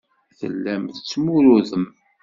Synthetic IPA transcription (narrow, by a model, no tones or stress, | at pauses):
θə̰lːæmθət͡sːmuɾuðəm